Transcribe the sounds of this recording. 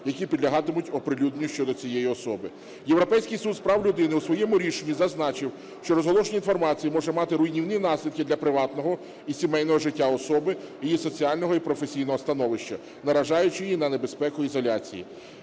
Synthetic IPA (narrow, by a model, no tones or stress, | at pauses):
jɐkʲipʲid̪lʲɐɦɑt̪ɪmʊtʲɔpɾɪlʲud̪nʲjʊʃt͡ʃɔd̪ɔt͡sʲijɛjiɔsɔbɪ | jewɾɔpɛjsʲkɪjsud̪spɾɑwlʲʊd̪ɪnɪusʋɔjɛmʊɾʲiʃenʲːizɐznɑt͡ʃɪw | ʃt͡ʃɔɾɔzɦɔlˠɔʃɔnʲinfɔrmɑt͡sʲijimɔʒɛmɑt̪ɪɾʊjnʲiwninɑsʲlʲid̪kɪd̪lʲɐpɾɪʋɑt̪nɔɦɔ | isʲimɛjnɔɦɔʒɪtʲːaɔsɔbɪijisɔt͡sʲiɑlʲnɔɦɔipɾɔfesʲijnɔɦɔst̪ɐnɔʋɪʃt͡ʃɐ | nɐɾɐʒɑjʊt͡ʃɪjinɐne̞be̞spɛkʊizɔlʲat͡sʲḭjḭ